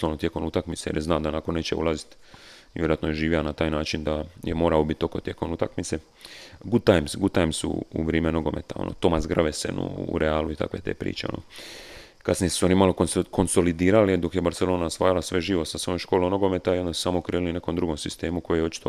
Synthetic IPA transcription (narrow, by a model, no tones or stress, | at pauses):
slonot̪jekomnut̪akmit̪sejeɾjeznaːd̪anakone̞ːt͡ʃḛṵlˠazit̪ | ʋʲjeɾoat̪nojeʒiːʋianat̪aːjnaːt͡ʃind̪ajḛmo̞ːɾaobit̪ːo̞kot̪je̞komnut̪akmit̪se̞ | ɡut̪ajmsɡut̪ajmsṵṵʋɾeːmenoɡo̞mḛt̪ao̰nʔo̰t̪o̞masɡrʋesḛnṵṵɾeaːluit̪a̰kʋet̪eːpɾḭːt͡ʃeo̰no̰ | kat̪snijesuo̞nimalo̞kko̞nso̞lid̪iːɾalid̪o̞kjebaɾt̪elo̞ːnaosʋaːjalasʋe̞ʒiːʋosasʋoːjoʃkolono̞ɡo̞met̪aiond̪asu̥saːmokɾiːliline̞komd̪ɾuɡo̞msist̪e̞ːmuko̞jijot͡ʃi̥t̪o